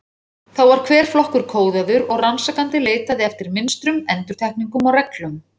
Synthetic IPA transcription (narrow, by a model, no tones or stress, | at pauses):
θawvaɾ̥kʰvɛːɾ̥flɔhkʏɾ̥kʰoːwðaðʏɾɔɣransakant̪ɪleːjt̪aðɪɛft̪ɪɾmɪnst̪ɾʏmɛnt̪ʏɾ̥t̪ʰajhk̚niŋkʏmɔɣrɛklʏm